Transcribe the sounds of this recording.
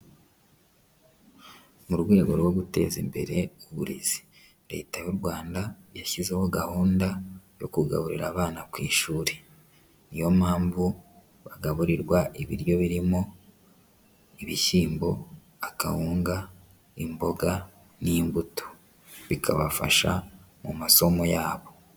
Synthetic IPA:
muɾwe̞ːɡo̞ɾwo̞ɡute̞̰ːzimbe̞̰ɾe̞uβuɾḭz̥i̥ | ɾe̞̰ːtajuɾɡwaːndajaçizeho̞ɡahuːndajo̞̰kuɡa̰βuɾiɾaːβaːnakwiːʃuːɾe̞ | nijomhaːɱvu | βaɡaβuɾiɾwaʔiβḭɾjo̞βiɾimo̞ | iβiʃiːmbo̞ | aka̰huːŋɡa | imbo̞ɡa | niːmbuto̥ | βikʰa̰βafa̰ʃa̰mumaso̞mo̞jaːβo̞

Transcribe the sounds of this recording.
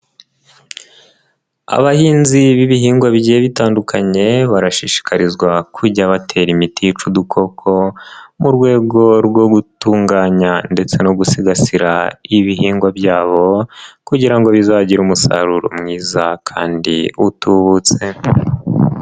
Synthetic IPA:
a̰βahiːnziβiβihiːŋɡwaβɟijeβitaːndukʰaɲe̞βaɾaʃiʃi̥kʰaɾizɡwakʰuɟaβatʰe̞ːɾimitʰit͡ʃudukʰo̞kʰo̞muɾɡwe̞ːɡo̞ɾɡo̞ɡutuːŋɡaːɲande̞t͡se̞noɡusiɡasiɾa̰iβiɦiːŋɡwabɟaːβo̞kuɟiɾaŋɡo̞βizaɟiɾuːmusa̰ɾuɾo̰mŋiːzakʰa̰ːndiutuβut͡se̞

